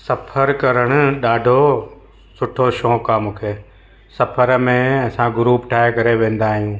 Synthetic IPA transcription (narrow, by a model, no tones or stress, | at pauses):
sɐfʰəɾkɐɾəɽ̃ʊ̆ɗaːɖʱo | sʊʈʰoʃɔ̃ːkamũːkʰeː | sɐpʰəɾə̆mẽɐsãɡʊɾuːpʈʰaːekɐɾeʋẽːn̆d̪aːɦijũː